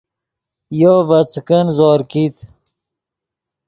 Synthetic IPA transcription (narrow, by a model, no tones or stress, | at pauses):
jovɐt͡skənzoːɾkit̪